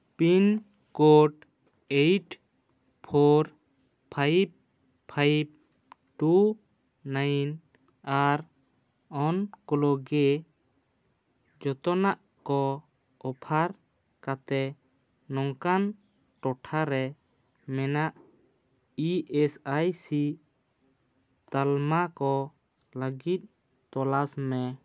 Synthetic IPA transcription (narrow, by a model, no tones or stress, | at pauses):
pin | koʈ | eʈ | pʰɔɾ | pʰajp̚ʰ | ajp̚ | ʈu | najn | aɾ | ɔnkɔlɔɡɛ | d͡ʒɔt̪ɔnaʔ | kɔ | ɔpʰaɾ | kat̪ɛ | nɔŋkan | ʈɔʈʰaɾɛ | mɛnaʔ | iɛsajsi | t̪almakɔ | ləɡit̪̚ˀ | t̪ɔlasmɛ